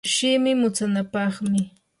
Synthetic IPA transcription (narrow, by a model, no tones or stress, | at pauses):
ʃɪmɪmʊt͡sanapɑχmɪ